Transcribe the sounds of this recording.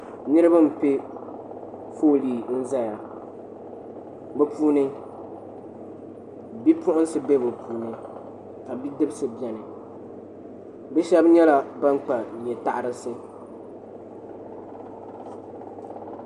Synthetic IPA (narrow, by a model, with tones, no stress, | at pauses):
nɨ˦ɾɨ˦ba˦m̩˨pe˦ | foː˦liː˨n̩˦za˦ja˨ | bɛ˨pʰuː˦nɨ˦ | bi˦pʊ˦ʔʊ˦n˦sɨ˨bɛ˦bɨ˨pʰuː˨nɨ˦ | ka˨bi˦dɨ˦bsɨ˦bɛ˨nɨ˨ | bɛ˦ʃɛ˦bɲɛ˦la˨ba˦ŋ˦k͡pa˨ɲɛ˨ta˦˨ʔa˨ɾɨ˦sɨ˦